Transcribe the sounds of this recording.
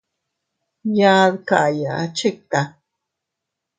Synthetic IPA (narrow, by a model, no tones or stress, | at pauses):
jaðkajaʔat͡ʃek̚t̪a